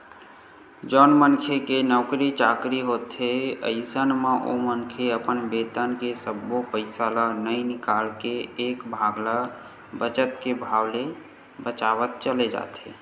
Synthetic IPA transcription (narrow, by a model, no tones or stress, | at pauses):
d͡ʒɔːnmənkʰekenɔkɾit͡ʃaːkɾiɦot̪ɦeə̰ɪsənmaʔo̰mənkʰeəpənbeːt̪ənkesəbːopəɪsalanəĩnɪkalkeːkbʱaːɡla | bət͡ʃət̪kebʱawle | bət͡ʃaʋət̪̚t͡ʃəled͡ʒa̰ːt̪e